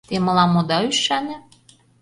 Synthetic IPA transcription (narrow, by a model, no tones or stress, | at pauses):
t̪emɤ̆lɑmod̪ɑyʃænʲɘ̆